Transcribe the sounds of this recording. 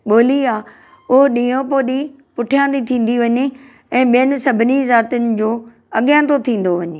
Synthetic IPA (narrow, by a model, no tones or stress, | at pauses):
ɓoːliaː | ʊɦoɗĩːõpoːɗĩ | pʊʈʰijãːnd̪it̪ʰĩːn̆d̪iʋɐɲe | ɛ̃ːɓijənɪ̆sɐbʱɪnizaːt̪ənɪ̆d͡ʑoː | ɐɠjãːnt̪ot̪ʰĩːn̆d̪oʋɐɲeː